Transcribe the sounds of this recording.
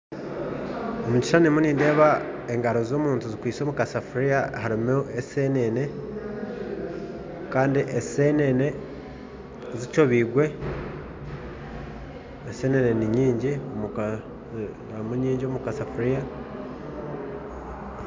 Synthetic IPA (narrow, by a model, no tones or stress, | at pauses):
omuci̥ʃanimuninde̞ːβaeŋɡaɾo̞zo̞ːmuːntuzikwiːt͡so̞ːmukasafuɾijahaɾimoesenene̞ | kaːndiʔesenene̞ | zit͡ʃo̞βiːɡwe̞ | eseneneniɲiːɲɟiomu | muɲiːɲɟiomukasafuɾija